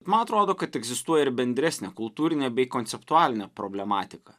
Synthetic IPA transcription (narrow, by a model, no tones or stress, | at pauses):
bʲbɛt̪mɐnɐt̪ɾoːd̪oːkɐt̪ɛɡzʲɪst̪uɔjɛɪɾbʲɛnʲd̪ʲɾʲæsʲnʲɛkʊlˠt̪uːɾʲɪnʲeːbʲɛɪkont̪sʲɛpt̪ʊaːlʲɪnʲɛpɾobʲlʲɛmɑːt̪ʲɪkɐ